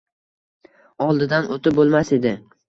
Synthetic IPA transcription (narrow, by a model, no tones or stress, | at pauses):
ɒlˠd̪ɪd̪anot̪ʰɪbolˠmase̞d̪ɪ